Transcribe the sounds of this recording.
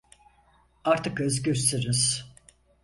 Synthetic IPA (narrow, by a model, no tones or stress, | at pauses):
aɾt̪ʰɯkɯzɟøst̪ʰeɾiz̥